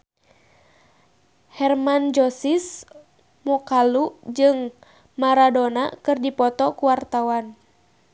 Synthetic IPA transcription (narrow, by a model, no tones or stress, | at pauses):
hɛrmand͡ʒɔsis | mɔkalud͡ʒɨŋ | maɾadonakɨrdipɔt̪ɔkuwart̪awan